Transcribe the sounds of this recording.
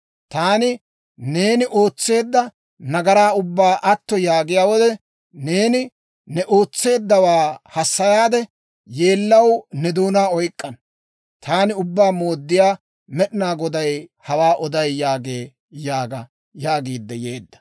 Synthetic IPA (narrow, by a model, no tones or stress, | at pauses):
t̪aːnɪ | ne̞ːnɪʔo̞ːt͡sːe̞ːd̪ːɐ | nɐɡɐɾaːʊbːaːʔɐt̪ːɔjaːɡɪjaːwɔd̪ɛ | ne̞ːnɪ | nɛʔo̞ːt͡sːe̞ːd̪ːɐwaːhɐsːɐjaːd̪ɛ | je̞ːlːɐwnɛd̪uːnaːɔjkʼːɐn | t̪ʰaːnɪʊbːaːmo̞ːd̪ːɪjaː | mɛɗɪnaːɡɔd̪ɐjhɐwaːʔɔd̪ɐjjaːɡe̞ː | jaːɡɐ | jaːɡiːd̪ːɛjeːd̪ːɐ̥